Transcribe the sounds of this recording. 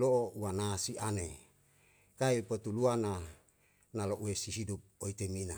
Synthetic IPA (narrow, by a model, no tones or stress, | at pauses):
loouwanasiʔane | kaipot̪uluana | naloʔuesiɦidup̚oit̪emina